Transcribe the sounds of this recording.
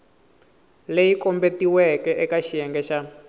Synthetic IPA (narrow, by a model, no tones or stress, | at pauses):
lejikɔmbetiwɛkɛʔɛkaʃijɛŋɡɛʃa